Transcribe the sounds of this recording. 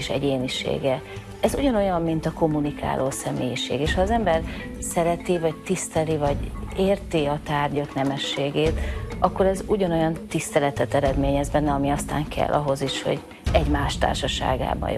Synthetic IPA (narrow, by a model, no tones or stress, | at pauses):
eʃɛ̰ɟeːniʃḛːɡɛ | ɛzuɟɒno̞jɒmːint̪ɒko̞mːunikʰa̰ːloːsɛmḛːjiʃḛːɡeːʃhɒːzɛmbɛr | sɛɾɛt̪ivɒct̪ist̪ɛlivɒɟeːrt̪iɒt̪aːrɟɒknɛmɛʃːeːɡeːt̪ɒkːo̞ɾɛzuɟɒno̞jɒnt̪ist̪ɛlɛt̪ɛt̪ɛɾɛd̪meːɲɛzbɛnːɛɒmiɒst̪a̰ːŋkʰɛ̰lːʔɒɦo̞ziʃho̞̰ɟ | ɛɟmaːʃt̪a̰ːrʃɒʃa̰ːɡa̰ːbɒ̰